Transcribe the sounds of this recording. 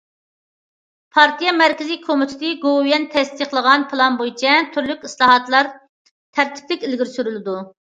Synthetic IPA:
pʰɑɾt̪ʰijɛmæɾkʲizikʰomɪt̪ʰɪt̪ɨɡojɛnt̪ʰɛst̪iχlˠəʁɑnpʰɨlˠɑnbojt͡ʃʰɛt̪ʰyɾlykʲislˠɑːɦɑt̪lˠɑɾ | t̪ʰæɾt̪ʰɪ̥plɪkʲilɡʲiɾsyɾylɪd̪u

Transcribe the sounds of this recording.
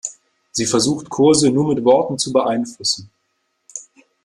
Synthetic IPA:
z̥iːfɛɐzuːxtkʰʊɐzənuːɐmɪtv̥ɔɐtn̩t͡subəʔaɪnflʊsn̩

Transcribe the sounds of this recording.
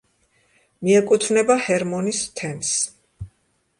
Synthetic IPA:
miɛkʼut̪ʰvnɛbahɛɾmɔnist̪ʰɛns

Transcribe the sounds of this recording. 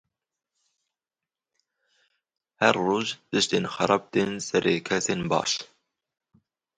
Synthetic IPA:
hæɾːuːʒd̪̥ɨʃt̪eːnxɑɾˤɑb̚d̪ensæɾekʰɛseːnbɑ̰ːʃ

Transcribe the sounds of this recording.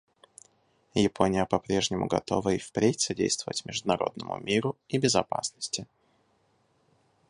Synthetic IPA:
jɪpʰo̞nʲɪjəpɐpɾʲe̞ʐnʲɪmʊ̰ɡɐ̰t̪o̞vəɪfpɾʲetʲsɐdʲejst̪vəvətʲmʲɪʐd̪ʊnɐɾo̞̰d̪nəmʊ̰mʲʔiɾʊibʲɪzɐpa̰snəsʲtʲɪ

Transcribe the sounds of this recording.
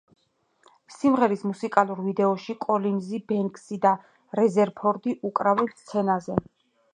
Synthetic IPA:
simʁɛɾismusikʼalˠuɾvid̪ɛɔʃikʼɔlinzibɛŋkʼsid̪a | ɾɛzɛɾpʰɔɾd̪iʔukʼɾavɛnst̪sʰɛnazɛ

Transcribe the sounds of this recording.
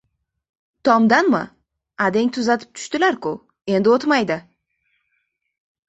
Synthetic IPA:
t̪ʰɒmd̪anmɪ̰ | ad̪e̞ŋʲt̪ʰʊzat̪ʰɪ̥p̚t̪ʰʊ̥ʃt̪ɪlaɾkʰʊ | e̞nd̪ɪot̪majd̪ɪ

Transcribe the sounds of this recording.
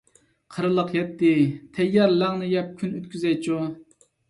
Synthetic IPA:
qʰəɾɨlˠəqjɛt̪ːɪt̪ʰɛjːɑɾlæŋnɨjɛp̚kʲʰynøt̪kʲʰyzɛjt͡ʃʰu

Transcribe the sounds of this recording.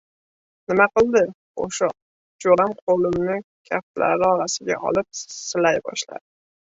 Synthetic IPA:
nɪmaqɨlˠd̪ɪ | o̰ʃa | d͡ʒoɾamqʰolɪmnɪ | kʲʰaft̪la̰ɾɪɒɾasɪɡʲa̰ʔɒ̰lɪp̚sɪlajbɒ̰ʃla̰d̪ɪ

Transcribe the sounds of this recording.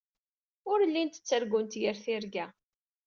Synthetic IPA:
ʊɾlːint̪ə̥t͡sːəɾɡunt̪jəɾθɪɾɡæ

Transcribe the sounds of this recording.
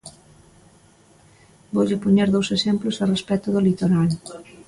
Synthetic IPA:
boʎɪpoɲeɾðowsesemplʊsarespɛt̪ʊðʊlit̪oɾal

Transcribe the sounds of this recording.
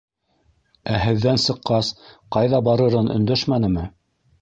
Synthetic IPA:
æɦɘ̆ðːænsɤ̆qːɑsqɑjðɑbɑɾɤ̆ɾɤnɵ̰̆nd̪æʃmænɘ̆mɘ

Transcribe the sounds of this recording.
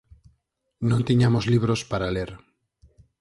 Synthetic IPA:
nõnt̪iɲamozliβ̞ɾospaɾaleɾ

